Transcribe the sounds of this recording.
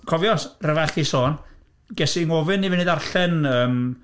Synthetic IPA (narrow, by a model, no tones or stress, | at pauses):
kʰɔvjɔsrəvaχisoːn | ɡɛsiŋɔvɨnːivɪnɪɨdarɬɛnəːm